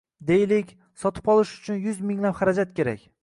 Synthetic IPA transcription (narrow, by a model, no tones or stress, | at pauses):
d̪e̞jlɪkʲ | sɒt̪ʰɪ̥pɒlˠɪʃʊ̥t͡ʃʰʊnjʊzmɪŋlapχaɾad͡ʒat̪̚kʲʰe̞ɾa̰kʲ